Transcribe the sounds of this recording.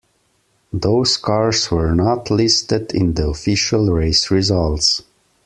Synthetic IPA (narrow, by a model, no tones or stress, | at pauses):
ðoʊz̥kʰɑɹzwə˞nɑtʰlɪstɨdɪ̰̃nðiɔfɪʃəlˠɹeɪsɹɪzʌlˠts